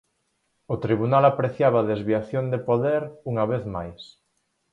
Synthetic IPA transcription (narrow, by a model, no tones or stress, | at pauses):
ot̪ɾiβ̞unalapɾeθjaβaðezβiaθjond̪epoðeɾuŋaβ̞eθmajs